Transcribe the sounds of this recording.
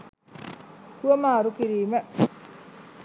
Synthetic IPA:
t̪uomaːɾukiɾiːme

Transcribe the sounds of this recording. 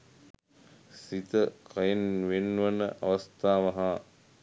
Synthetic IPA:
sit̪əkʰɐjenʋenːuʋɐnəʔɐ̰ʋɐst̪aːʋɐɦa

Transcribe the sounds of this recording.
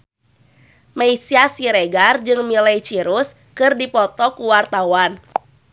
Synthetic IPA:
maisiasiɾeɡard͡ʒɨŋmilajt͡ʃiɾus | kɨrdipɔt̪ɔkuwart̪awan

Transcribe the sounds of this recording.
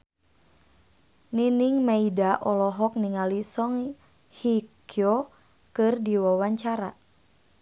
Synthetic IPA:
niniŋmaidaʔɔlɔɦɔk̚niŋalisɔŋ | hikjɔ | kɨrdiwawaɲt͡ʃaɾa

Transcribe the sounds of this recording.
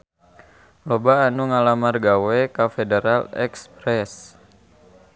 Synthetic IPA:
lobaːnuŋalamarɡawɛkafedeɾalɛ̰kspɾɛs

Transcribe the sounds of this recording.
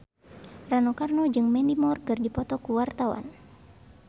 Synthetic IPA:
ranɔkarnɔd͡ʒɨŋmɛnimɔrkɨrdipɔt̪ɔkuwart̪awa̰n

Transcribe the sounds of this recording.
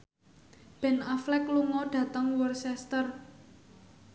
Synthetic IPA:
b̥ɛ̤naflɛkluŋɔɖ̥ä̤t̪əŋwɔrsɛst̪ər

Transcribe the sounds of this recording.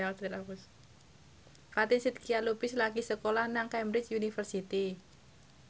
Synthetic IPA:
asɾiɾakus | fat̪insit̪̚kialupɪslaɡisəkolahnaŋkajmbɾɪt͡ʃjunifərsit̪i

